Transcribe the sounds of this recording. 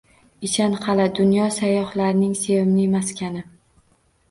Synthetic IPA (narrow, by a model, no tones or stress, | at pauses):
ɪʃanqɑlad̪ʊnjɒsajɒhlaɾnɪŋse̞vɪmnɪmaskʲʰanɪ